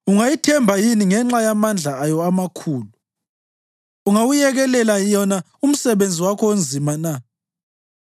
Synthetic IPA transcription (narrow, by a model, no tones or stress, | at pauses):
uŋajitʰɛmbʱajiniŋɛŋ͡ǁajamand͡ɮʱaːjɔamakʰuːlu | uŋawujɛɣɛlɛlajɔna | um̩sɛβend͡zʱiwakʰɔond͡zʱimana